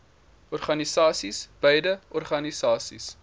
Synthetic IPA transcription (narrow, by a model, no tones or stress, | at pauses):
ʔɔrχɐnisɑːsisb̥əjdəʔɔrχɐnisɑːsḭs